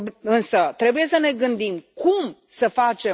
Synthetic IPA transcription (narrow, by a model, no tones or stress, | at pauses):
ɨnsət̪ɾe̞buje̞səne̞ɡɨnd̪imkumsəfat͡ʃe̞